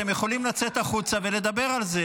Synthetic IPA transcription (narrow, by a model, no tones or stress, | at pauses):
emjeχo̞limlat͡se̞t̪aχut͡save̞le̞d̪abe̞ʁalze